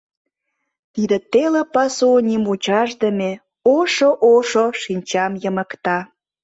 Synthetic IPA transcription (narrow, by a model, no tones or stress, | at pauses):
t̪id̪ĕt̪elepɑsonʲimut͡ɕɑʒd̪əme | oʃoʔoʃoʃinʲt͡ɕɑmjəmə̆kt̪ɑ